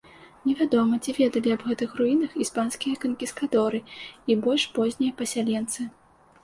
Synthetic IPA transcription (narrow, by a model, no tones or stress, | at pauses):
nʲɛvʲad̪ɔmɐt͡sʲivʲɛd̪ɐlʲiɐbɣɛt̪ɨxruinɐxispanskʲijɐkɐnkʲiskat̪ɔɾɨibɔlʲʂpɔzʲnʲɛjɐpɐsʲalʲɛnt̪sɨ